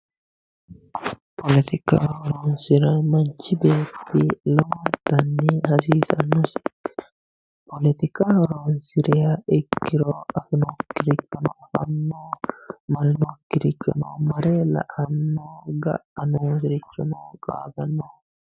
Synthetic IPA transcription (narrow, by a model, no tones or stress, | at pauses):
pʰɔlɛt̪ɪkahɔɾoːnsɪɾɐmɐnt͡ʃːɪbe̞ːt̪ːɪlɔwɐd̪ɐnːɪhɐsiːsɐ̰nːɔs | pɔlɛt̪ɪkahɔɾoːnsɪɾɪjɐɪkːɪɾoːɐfɪnɔkːɪɾɪt͡ʃːɔnɔhɐ̰nːoːmɐɾɪnɔkːɪɾɪt͡ʃːɔ̰nɐ̰wmɐɾelɐ̰ʔɐnːoːɡɐ̰ʔɐnosɪɾɪt͡ʃːɔnɐwkʼa̰ːbɐnːo